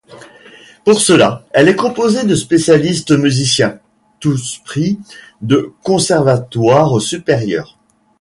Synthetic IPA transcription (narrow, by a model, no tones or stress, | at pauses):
puʁsəlaɛlɛkɔ̃pozed̪əspesjalist̪myzisjɛ̃ | t̪uspχi | d̪əkɔ̃sɛʁvat̪waʁsypɛʁjœ̰ːʁ